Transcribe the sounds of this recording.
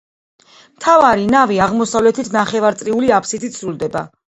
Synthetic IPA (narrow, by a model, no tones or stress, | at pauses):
mt̪ʰavaɾinaviaʁmɔsavlɛt̪ʰit̪ʰnaχɛvaɾt̪sʼɾiuliapʰsit̪ʰit̪sɾulˠd̪ɛba̰